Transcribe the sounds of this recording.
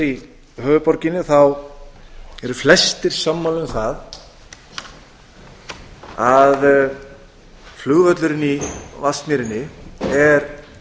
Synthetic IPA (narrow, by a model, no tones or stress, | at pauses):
ɾi | hœːvʏpɔɾcɪnːɪθaw | ɛɾʏflɛst̪ɪɾ̥samːalʏnθað | að | flʏɣvœt̪lʏɾɪnivasmiɾɪnːɪɛɾ